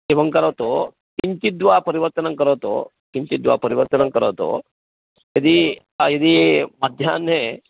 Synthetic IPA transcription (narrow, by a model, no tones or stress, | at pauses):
eʋəŋkəɾaʋt̪o | kiɲt͡ʃ̪id̪ʋapəɾiʋəɾt̪ənəŋkəɾəʋt̪o̰ | kiɲt͡ʃid̪ʋa̰pəɾiʋəɾt̪ənəŋkəɾa̰ʋt̪o̰ | jɐd̪i | jɐd̪iːməd̪ʱjanːe